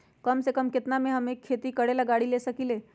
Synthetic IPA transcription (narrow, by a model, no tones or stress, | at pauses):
kɐmsekɐmkɪt̪namẽɦɐmeːkʰːeːt̪ikɐɽelɐɡaːɽileːsɐkileː